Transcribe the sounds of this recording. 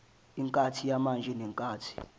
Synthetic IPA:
iŋkʼatʰijamand͡ʒʱɛnɛŋkʼaːtʰi̥

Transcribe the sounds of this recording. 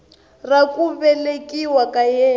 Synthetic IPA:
rakʼuβɛlekʼiwakajɛː

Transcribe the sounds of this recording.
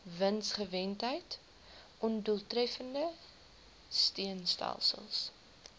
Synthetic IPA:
vənsχəvɛntɦəjt | ʔɔnduəlˠtrɛfəndə | stiənstɛ̰lˠsə̰lˠs

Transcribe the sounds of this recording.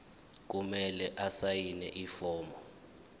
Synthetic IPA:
k̬umɛlɛʔasajinɛ̰ʔifɔːmbɔ

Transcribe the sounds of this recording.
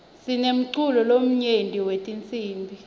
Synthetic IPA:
sinem̩ǀulɔlom̩ɲendʼʱiwetʼint͡sʼiːmbʱi

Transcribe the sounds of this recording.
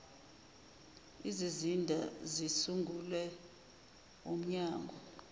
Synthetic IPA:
izizindʱazisuŋɡʱulɛ | om̩ɲaːŋɡʱɔ

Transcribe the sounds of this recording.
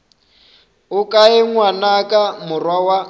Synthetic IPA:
ʊkʼaɛŋwanakʼamʊrwawa

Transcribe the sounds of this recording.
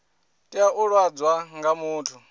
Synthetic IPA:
tʼiaʔuɺwad͡zwaŋɡamuːtʰu

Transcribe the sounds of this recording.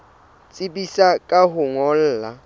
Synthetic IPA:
t͡sʼɪbisakʼaɦʊŋɔl̩ːla

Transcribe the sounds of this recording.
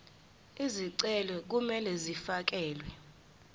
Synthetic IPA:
iziǀɛlwɛk̬umɛlɛzifak̬ɛːlwɛ

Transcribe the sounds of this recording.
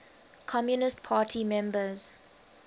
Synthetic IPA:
kʰɔmjunɪstpʰaːtʰimɛ̃mbəz̥

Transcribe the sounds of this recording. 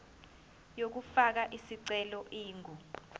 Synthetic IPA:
jok̬ufak̬aʔisiǀɛlɔʔiːŋʱu

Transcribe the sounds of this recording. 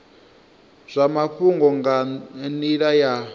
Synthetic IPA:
z̥ʷamaɸuŋɡɔŋɡaniɺaja

